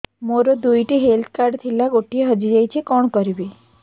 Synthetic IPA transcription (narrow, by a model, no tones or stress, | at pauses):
moɾod̪ujʈiɦelt̪ʰkaɾɖt̪ʰilaɡoʈieɦəd͡ʒiɾajt͡ɕʰikɔɳkəɾibi